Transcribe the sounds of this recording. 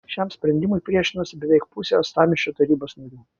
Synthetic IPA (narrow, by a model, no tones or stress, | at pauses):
ʃʲɛmsʲpʲɾʲɛnʲd̪ʲɪmʊɪpʲɾʲiɛʃʲɪnosʲɪbʲɛʋʲɛɪkpʊsʲest̪ɑːmʲɪʃʲt͡ʃʲoːt̪ɐɾʲiːboːsnɐɾʲuː